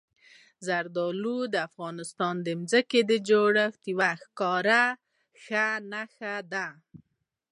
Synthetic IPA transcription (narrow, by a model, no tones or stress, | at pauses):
zaɾd̪ɑlud̪əafɣɑnɪst̪ɑnd̪əmzəked̪əd͡ʒoɽəxt̪iwaxkɑɾa | xanaxad̪a